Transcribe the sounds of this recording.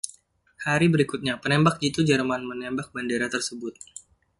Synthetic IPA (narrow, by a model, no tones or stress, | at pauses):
haɾibəɾikut̪̚ɲapənɛmbak̚d͡ʒit̪ud͡ʒərmanmənɛmbak̚bandeɾat̪ərsəbʊt̪̚